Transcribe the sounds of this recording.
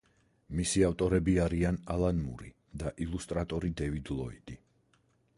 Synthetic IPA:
misiaft̪ʼɔɾɛbiaɾianalanmṵɾi | d̪aʔilˠust̪ʼɾat̪ʼɔɾid̪ɛvid̪lˠɔid̪̥i

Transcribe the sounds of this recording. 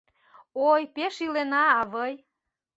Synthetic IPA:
ojpeʃilenɑβəj

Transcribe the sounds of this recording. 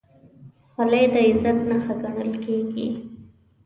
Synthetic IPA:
xalajd̪əɪzat̪naxaɡaɳ̃əlkeɡḭ

